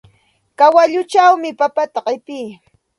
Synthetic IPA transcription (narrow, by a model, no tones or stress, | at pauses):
kawaʎʊt͡ʃawmɪpapat̪aɢɪpiː